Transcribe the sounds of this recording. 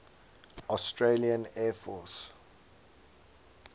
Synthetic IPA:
ɔstɹeliə̃nɛːfɔs

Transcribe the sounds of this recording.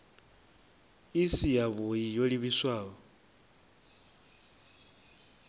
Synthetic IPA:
isijaβojijoliβiswaːɔ

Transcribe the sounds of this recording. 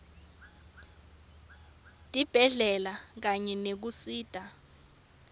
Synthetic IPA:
d̥ʱib̥ʱɛɮɛlak̬aɲɛnek̬usiːd̥ʼʱa

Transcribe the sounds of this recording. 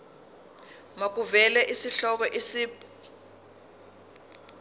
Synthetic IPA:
mak̬uvɛlɛʔisiɬɔk̬ɔʔisiːpɔ

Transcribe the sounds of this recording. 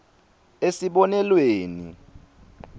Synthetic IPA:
esiɓɔnɛlweːnḭ

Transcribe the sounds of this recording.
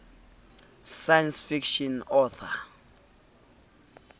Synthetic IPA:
sajansfikʃɔnɔθʰa

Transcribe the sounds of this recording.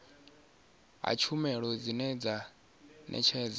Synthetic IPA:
ɦa̰t͡ʃʰumɛɺɔd͡zinɛd͡za | nʔɛ̰t͡ʃʰɛːd͡za

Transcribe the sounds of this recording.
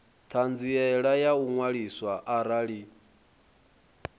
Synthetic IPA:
t̪ʰand͡ziɛɺajauŋwaɺiswaʔaɾaɺi

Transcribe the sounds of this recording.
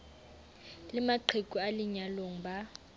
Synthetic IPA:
lɪmaǃʰekʼualiɲaloŋ̩ba

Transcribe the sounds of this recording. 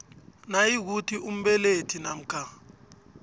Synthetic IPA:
najik̬utʰiʔum̩ɓɛletʰinam̩kʰa

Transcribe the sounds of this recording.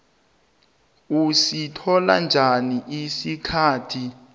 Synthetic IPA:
usitʰɔla̰nd͡ʒʱaniʔisikʰaːtʰi

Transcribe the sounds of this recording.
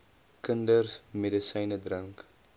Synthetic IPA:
kəndərsmedəsɐjnədrəŋk

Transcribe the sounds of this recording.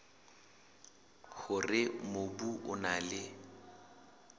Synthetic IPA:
χʊrɪmobuʔʊnalɪ

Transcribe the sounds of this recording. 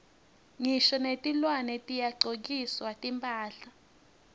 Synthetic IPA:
ŋiʃɔnetʼilwanɛtʼijaǀok̬iswatʼimpʼaːɬa

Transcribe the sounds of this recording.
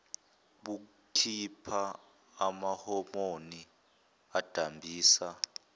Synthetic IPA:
ɓu | kʰipʰa | amahɔmoni | ad̥ʱambʱiːsa

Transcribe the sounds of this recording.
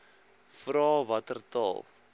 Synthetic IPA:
frɑːvɐtərtɑ̰ːlˠ

